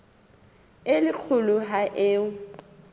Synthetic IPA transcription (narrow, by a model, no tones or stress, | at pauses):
ɪlɪk͡xʰʊlʊɦaʔeːʊ